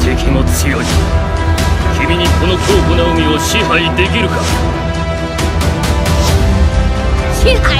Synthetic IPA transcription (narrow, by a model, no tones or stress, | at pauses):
d͡ʑekʲʰimot͡sijoi | kʲʰimʲiɲ̟ikʰo̞no̞kʰoːkonaɯ̟mʲioɕiɦaid̪e̞k̬ʲiɾɯ̟ka | i